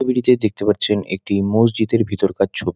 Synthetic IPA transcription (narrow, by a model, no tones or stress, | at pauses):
biɾit̪ed̪ek̚t̪epaɾt͡ɕʰenḛk̚ʈimos̬d͡ʑit̪eɾbʱit̪oɾkatt͡ɕʰobi